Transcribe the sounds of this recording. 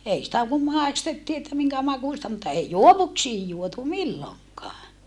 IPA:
ei sĭtæ kum mɑˑistetːiː etːæ miŋkæ mɑkuˑstɑ mutːɑ ei juoʋuksiːj juotu milːoŋkɑː

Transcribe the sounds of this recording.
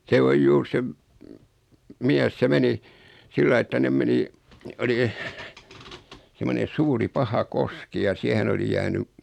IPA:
se oj juːr se m miæs se meni silːɑi etːæ nem meni oli semone suːri pɑhɑ koski jɑ siæhen oli jæːny

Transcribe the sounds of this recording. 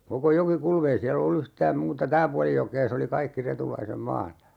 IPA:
koko jokikulm ei siæl olːu yhtæːm muːtɑ tæː puɑli jokeː se oli kɑikːi retulɑisem mɑːtɑ

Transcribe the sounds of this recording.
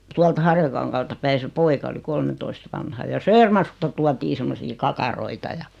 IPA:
tuɑlt hɑrjɑkɑŋkɑːltɑ pæi se poikɑ oli kolmentoist ʋɑnhɑ jɑ søːrmɑrkustɑ tuɑtiː semːosiː kɑkɑroitɑ jɑ

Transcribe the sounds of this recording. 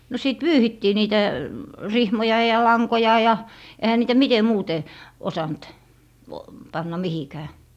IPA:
no siˑt pyːhitːiː niːtæ rihmojɑ jɑ lɑŋkojɑ jɑ ehæ niːtæ mite muːte osɑnt pɑnːɑ mihikæː

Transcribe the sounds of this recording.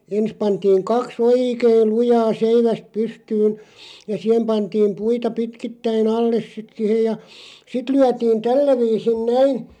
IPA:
ens pɑntiːŋ kɑks oːikeːl lujɑː seiʋæst pystyːn jɑ sih̆em pɑntiːm puitɑ pitkitːæin ɑlːes sit sihej jɑ sit lyætiːn tælːæ ʋiːsin næin

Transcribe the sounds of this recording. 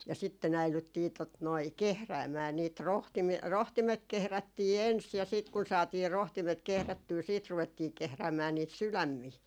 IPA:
jɑ sitːen æilytːiː tot noi kehræːmæː niːt ro rohtimet kehrætːiː ens jɑ siˑt kun sɑːtiː rohtimet kehrætːyː siːt ruʋetːiː kehræːmæː niːt sylæmːiː

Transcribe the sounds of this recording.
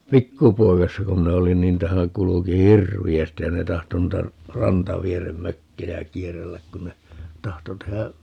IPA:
pikːupoikɑsːɑ ku minæ olin ni ntæhæ kuluki hirʋiæstij jɑ ne tɑhto nuitɑ rɑntɑʋierem møkːejæ kierːelːæk kun ne tɑhto tehæ

